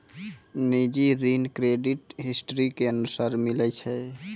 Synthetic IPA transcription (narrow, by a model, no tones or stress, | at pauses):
nid͡ʒiɾinkɾeɖiʈɦisʈɾikeənusaɾmilɛt͡ʃʰɛ